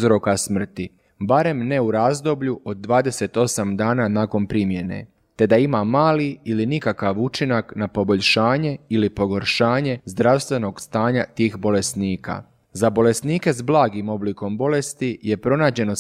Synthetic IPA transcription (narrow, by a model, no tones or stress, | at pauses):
zɾo̞kasmr̩t̪i | baɾe̞mneuɾaːzd̪o̞bʎuʔo̞d̪̚ːʋaːd̪e̞se̞t̪o̞samd̪aːnanaːko̞npɾimje̞nḛ | t̪e̞d̪aimamaːliilinikakaʋut͡ʃinaknapo̞bo̞ʎʃaːɲe̞ilipo̞ɡo̞ɾʃaːɲe̞zd̪ɾaʋst̪ʋe̞no̞ɡst̪aːɲat̪iːxbo̞le̞sniːka̰ | zabo̞le̞sniːke̞zblˠaːɡimo̞bliːko̞mbo̞le̞st̪ije̞pɾo̞naːd͡ʑe̞no̞